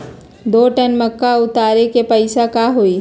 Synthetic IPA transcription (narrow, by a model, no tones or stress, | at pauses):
d̪oːʈənmɐkːaʊt̪aːɾekepɐɪsakaɦoiː